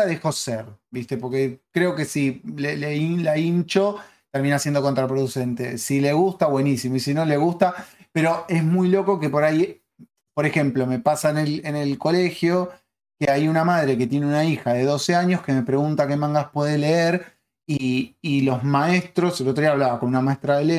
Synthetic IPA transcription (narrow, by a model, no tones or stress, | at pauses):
aðexo̞seɾbist̪e̞po̞ɾke̞kɾe̞o̞ke̞sileleilaint͡ʃo̞ | t̪eɾmĩnasjend̪o̞kont̪ɾapɾoðuse̞nt̪e̞̰sile̞ɣust̪aβwe̞nisimoisino̞le̞ɣust̪ape̞ɾo̞e̞zmujlo̞ko̞ke̞po̞ɾaj | po̞ɾe̞xe̞mplo̞me̞pasaenelene̞lko̞le̞xjo̞ | keajunamað̞ɾe̞ket̪je̞neunaixaðe̞ðo̞se̞aɲo̞hske̞me̞pɾe̞ɣunt̪ake̞mãŋɡaspwe̞ðele̞eɾ | iːlo̞zmaest̪ɾo̞selot̪ɾoiaβlaβako̞nunamaehst̪ɾaðele